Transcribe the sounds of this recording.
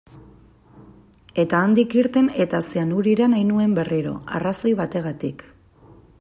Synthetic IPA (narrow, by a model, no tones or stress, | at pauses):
e̞t̪aːnd̪ikiɾt̪e̞ne̞t̪aseanuɾiɾanajnue̞mbe̞riɾo̞̰a̰raso̞jβ̞at̪e̞ɣ̞at̪ik